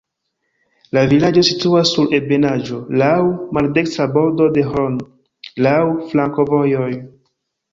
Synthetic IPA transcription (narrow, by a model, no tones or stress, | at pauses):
lavilad͡ʒo̞situasːuɾebe̞nad͡ʒo̞lawmalde̞ksabo̞ɾdo̞de̞ɦon | lawflaŋko̞vo̞jo̞j